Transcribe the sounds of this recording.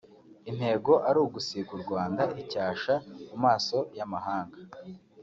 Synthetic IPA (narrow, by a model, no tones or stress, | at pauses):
in̥he̞ːɡo̞ʔaɾuːɡusikuɾɡwaːndaʔicaːʃamumaːso̞jamaɦaːŋɡa